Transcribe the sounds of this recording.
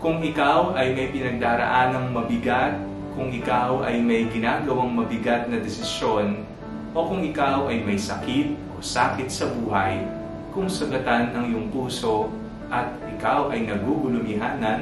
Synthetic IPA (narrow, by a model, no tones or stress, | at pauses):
kʊŋɪkawʔɐjmɐjpɪnɐɡ̚d̪aːɾɐ̰ʔaːnɐŋmɐbɪɡat̪̚ | kʊŋɪkawʔɐjmɐjɡɪnaːɡɐwaŋmɐbɪɡat̪̚nɐd̪ɛsɪsjo̞n | ʔo̞kʊŋɪkawʔɐjmɐjsɐkit̪̚ʔo̞̰saːkɪt̪̚sɐbuːɦɐj | kʊŋsɐɡɐt̪anɐŋjʊŋpuːso̞ | ʔɐt̪̚ʔɪkawʔɐjnɐɡuɡʊlʊmɪɦaːnɐ